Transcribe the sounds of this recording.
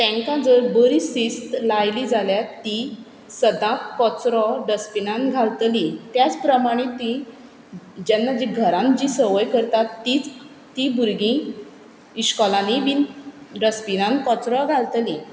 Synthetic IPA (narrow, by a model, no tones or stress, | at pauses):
t̪ɛ̃ŋkãd͡zəɾbəɾisist̪lajlid͡zaljat̪ːi | səd̪ãkɔt͡sɾɔɖəspinãnɡʱalt̪lit̪jat͡spɾəmaɽ̃et̪i | d͡ʑanːad͡ʑiɡʱəɾãnd͡ʑisəʋəjkəɾt̪at̪ːit͡s | t̪ːibʱuɾɡĩ | iɕkɔlãniʋinɖəspinãnkɔt͡sɾɔɡʱalt̪lĩ